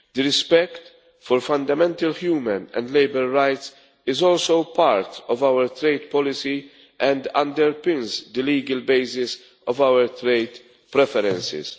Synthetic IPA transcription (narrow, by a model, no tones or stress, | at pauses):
d̪əɾɪspɛkt̪ | fɔɾfɐ̃nd̪ɐmɛ̃nt̪ɐlhjuːmə̃nɛ̰̃nd̪lejbɛɾːajt̪s | ɪzɔːlsowpaɾt̪ɔvawəɾt̪ɾeɪd̪pɔlɪsi | ʔɛ̃nd̪ɐ̃nd̪ɛɾpɪ̃nzd̪əliːɡəlbeɪsɪs | ɔvawəɾt̪ɾejd̪ | pɾɛfɛɾɛ̃nsɪ̰s